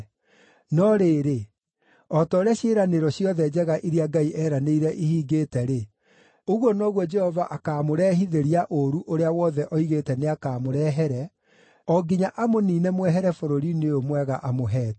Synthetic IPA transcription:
nɔɾeːɾe | ɔtɔːɾaɕeɾaneɾɔɕjɔðɛd͡ʒɛɣaʔiɾiaɡaiʔɛːɾaneiɾɛʔihiːɡeːtɛɾe | oɣwɔnɔɣwɔd͡ʒɛhɔvaʔakaːmoɾɛhiðeɾiaʔoɾuʔoɾeawɔðɛʔɔiɣetɛneakaːmoɾɛɦɛɾɛ | ɔɡiɲaʔamoninɛmwɛɦɛɾɛfoɾoɾineomwɛɣaʔamoɦɛːtɛ̥

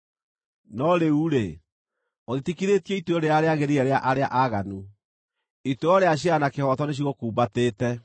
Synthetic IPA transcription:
nɔɾeuɾe | oðitikiɾetijɛitoɔɾeaɾeaɣeɾiɛɾeaʔaɾeaʔaɣanu | itoɔɾeaɕ̬ianakehɔtɔneɕ̬iɣokuːmbateːtɛ

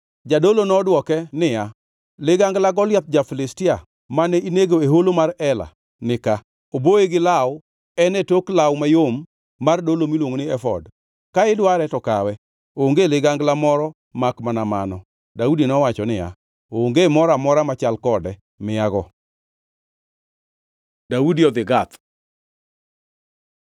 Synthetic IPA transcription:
d͡ʒadolonɔdwɔkɛnɪja | lɪɡaŋɡlaɡɔlɪjap̚d͡ʒafɪlɪstɪa | manɛineɡoeɦolomaɾɛla̰ | nɪka | oboeɡɪlaw | ɛnɛtoklawmajomː | ardolomilwoŋonɪɛfɔ̰d | kaɪdwaɾɛtɔkawɛ | ooŋɡelɪɡaŋɡlamɔɾɔ | makmanamanɔ | daudinɔwat͡ʃɔnɪja̰ | ooŋɡemɔɾamɔɾamat͡ʃalkɔdɛ | mɪjaɡɔ | daudiɔd̪ɪɡat̪

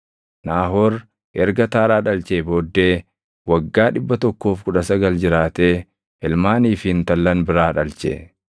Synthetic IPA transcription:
naːɦoːɾ | ʔɛɾɡɐt̪aːɾaːᶑɐlt͡ʃeːboːd̪ːeː | wɐɡːaːᶑɪbːɐt̪ɔkːo̞ːfkʊᶑɐsɐɡɐld͡ʒɪɾaːt̪eː | ɛlmaːniːfɪnt̪ɐlːɐnbɪɾaːᶑɐlt͡ʃḛ

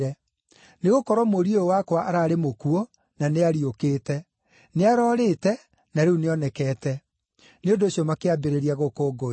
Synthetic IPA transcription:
ɛ | neɣokɔɾɔmoɾioowakwaʔaɾaːɾemokuɔ | naneaɾiokeːtɛ | neaɾɔːɾetɛ | naɾeuneɔnɛkɛːtɛ | neondoːɕjomakeabeɾeɾiaɣokoːɡo

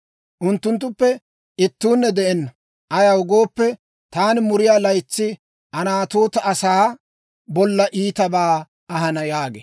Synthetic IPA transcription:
ʔʊnt̪ːʊnt̪̬ːʊpːɛ | ɪt̪ːuːnːɛd̪ɛʔɛnːɐ | ʔɐjɐwʊɡoːpːɛ | t̪aːnɪmʊɾɪjaːlɐjt͡sːɪ | ʔɐnaːt̪oːt̪ɐʔɐsaː | bɔlːɐʔiːt̪ɐbaː | ɐɦɐnɐjaːɡḛ

